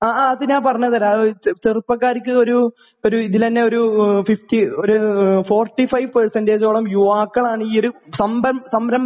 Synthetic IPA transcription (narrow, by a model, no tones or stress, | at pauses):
aːaːɐðinaːpɐrɐɲːɐðɐɾaːt͡ɕerupːɐkːaːɾikʲːɨo̞ɾu | oɾuiðilt̪ɐnːe̞o̞ɾufiftioɾufoːrʈːifɐjʋpersɐndeːd͡ʑoːɭɐmjuʋaːkːɐɭaːɳɨiːoɾusɐmbɐmsɐmɾɐm